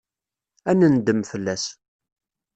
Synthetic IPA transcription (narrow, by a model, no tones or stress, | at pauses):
ænənd̪əmfəlːæs